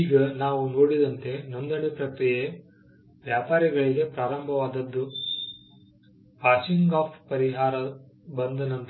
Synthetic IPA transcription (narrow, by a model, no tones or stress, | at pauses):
iːɡɐnaːʋunoːɽid̪ɐnt̪e̞nond̪ɐɳepɾɐkɾije | ʋjaːpaːɾiɡɐɭiɡe̞pɾaːɾɐmbʱɐʋaːd̪ɐd̪ːu | ʋaːsiŋɡaːpʰpɐɾiɦaːɾɐ | bɐnd̪ɐnɐnt̪ɐ